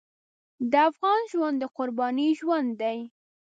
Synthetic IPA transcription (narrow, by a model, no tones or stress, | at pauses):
d̪əafɣɑnʒwand̪əqʊɾbɑniʒwand̪ːaj